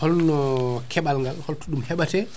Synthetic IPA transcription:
hɔlnɔkʰɛɓalŋɡalhɔltɔɗumhɛɓatɛ

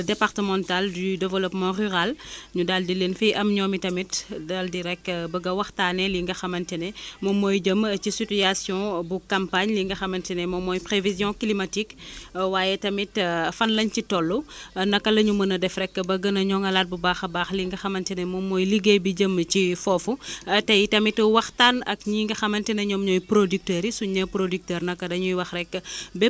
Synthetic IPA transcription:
dɛpartəmɑ̃ntaldydɛvəlɔpmɑ̃ryʁalɲudaldileːnfijʔɐmɲɔːmitɐmitdaldiɾɛkːbɐɡɐwɐxtaːnɛliŋɡɐxɐmɐntɛnɛmɔmɔːjɟəmcisytiasjɔ̃bukãmpaɲliŋɡɐxɐmɐntɛnɛmɔmɔːjpɾevizjɔ̃klimatikwaːjɛtɐmitfɐnlɐɲcitɔlːunɐkːɐlɐɲumənɐdɛfrɛkːəbɐɡɐnɐɲɔŋɡɐlaːt̚bubaːxɐbaːxliŋɡɐxɐmɐntɛnɛmɔmːɔːjliɡebiɟəmcifɔːfutɛjtɐmitwɐxtanɐkɲiŋɡɐxɐmɐntɛnɐɲɔmɲɔjpɾodyk̚təːɾisuɲəpɾodyk̚təːɾnɐkːɐdɐɲujwɐxrɛkːəbɛ

